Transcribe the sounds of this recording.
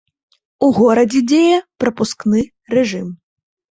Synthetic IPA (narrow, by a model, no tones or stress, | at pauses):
uɣɔɾɐd͡zʲɛd͡zʲejɛpɾɐpusknɨ | rɛʐɨm